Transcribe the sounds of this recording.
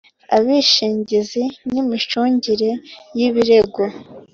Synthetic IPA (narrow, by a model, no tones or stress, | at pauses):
a̰βiʃiːɲɟizinimit͡ʃuːɲɟiɾe̞jiβiɾe̞ɡo